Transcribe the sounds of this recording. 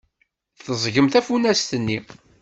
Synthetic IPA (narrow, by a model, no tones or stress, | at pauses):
θəzˤʝəmθæfunæst̪ənːi